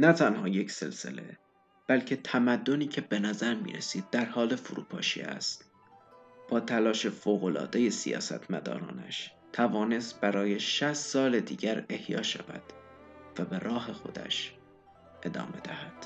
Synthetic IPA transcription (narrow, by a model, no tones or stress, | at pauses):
næt̪ʰænhɒːje̞cse̞̰lse̞̰le̞̰ | b̥ælcʰe̞t̪ʰæmæd̪ːo̞niːcʰe̞be̞næzæɾmḭːɾesiːd̪̚ːæɾhɒːle̞fuɾṵːpʰɒ̰ːʃḭæ̰st̪ | b̥ɒːt̪ʰælɒːʃe̞foːɣo̞lɒ̰ːd̪e̞je̞sijɒ̰ːsæ̰t̪ʰmæd̪ɒ̰ːɾɒ̰ːnæ̰ʃ | t̪ʰævɒːne̞st̪̚bæɾɒːje̞ʃæst̪sɒːle̞d̪ḭːɟæɾe̞hjɒ̰ːʃæ̰væ̰d̪̥ | væbeɾʔɒːɦe̞xo̞̰d̪æ̰ʃ | ʔe̞d̪ɒ̰ːme̞d̪æhæd̪̥